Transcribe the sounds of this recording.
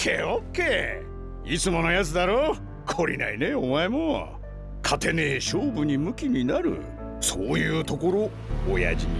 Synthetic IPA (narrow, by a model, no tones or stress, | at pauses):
kʰeːokːe̞ː | it͡sɨmo̞no̞jat͡sɨd̪aɾoː | kʰo̞ɾʲḭna̰ine̞omae̞mo̰ | kʰat̪e̞neɕoːbɯ̟ɲ̟imɯ̟kʲiɲ̟inaɾɯ̟̰ | soːjɯ̟ːt̪o̞ko̞ɾo̞ | oja̰ʑiɲ